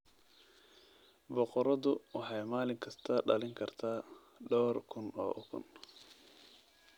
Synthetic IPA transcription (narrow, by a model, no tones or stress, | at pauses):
bɔqɔɾɐðʊwɑħɑjmaːlɪŋkʰɐst̪ʰɐɖɐ̰lɪŋkʰɐrt̪ʰaː | ɖɔːrkʰʊnɔ̰ːʔɔkʰʊ̰n